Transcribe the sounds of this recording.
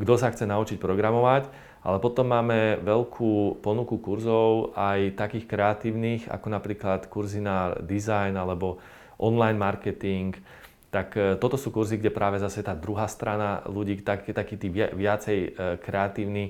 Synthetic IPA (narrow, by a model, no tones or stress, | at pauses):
ɡd̪ɔsaxt͡sɛnaut͡ʃic̚pɾɔɡɾamɔʋac | ʔa̰lɛpɔt̪ɔmːaːmɛʋɛlkʰuːpɔnukukuɾzɔʊʔajt̪akiːxkɾɛat̪iːʊniːxa̰kɔnapɾiːklat̪kuɾzinad̪izajnalɛbɔ | ʔɔnlajnmaɾkɛt̪iŋk | t̪akt̪ɔt̪ɔsuːkuɾziɡɟɛpɾʔaːʋɛzasɛt̪aːd̪ɾuɦaːst̪ɾanaluɟiːt̪akt̪akiːt̪iːʋʋɪat͡sɛjkɾɛat̪iːʊni